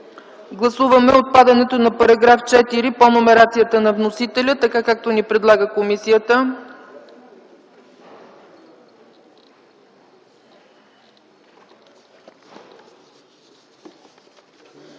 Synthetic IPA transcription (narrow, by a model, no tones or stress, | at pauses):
ɡlˠɐsuvəmɛot̪̚pad̪ɐnɛt̪onɐpɐɾɐɡɾaft͡ʃɛt̪iɾiponomɛɾat̪sijət̪ənɐvnosit̪ɛlʲət̪ɐkakak̚t̪onipɾɛd̪lˠaɡəkomisijət̪ə